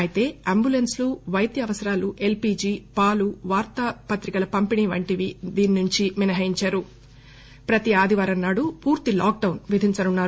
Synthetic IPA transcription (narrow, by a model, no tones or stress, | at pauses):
ɐjit̪e̞ːɐmbulensluʋɐjd̪jɐːʋɐsɐɾaːluʔe̞lpiːd͡ʒiːpaːluʋaːɾt̪ɐpɐt̪ɾikɐlɐpɐmpiniːʋɐɳʈiʋid̪iːninuɲt͡ʃiminɐɦɐjiɲt͡ʃaːɾu | pɾɐt̪iaːd̪ʱiʋaːɾɐnnːaːɽupuːɾt̪ilaːk̚ɖɐwnʋid̪ʱiɲt͡ʃɐnunːaːɾ